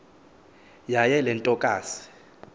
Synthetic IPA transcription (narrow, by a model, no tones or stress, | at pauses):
jajɛlɛntʼɔkʼaːsi̥